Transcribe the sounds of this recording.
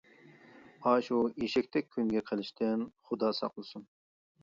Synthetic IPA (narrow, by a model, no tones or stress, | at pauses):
ɑːʃuiʃɛk̚ʲt̪ʰɛk̚ʲʰːyŋɡʲɛqʰəlˠɪʃt̪ʰɪnχʊd̪ɑːsɑ̰qlˠɨsun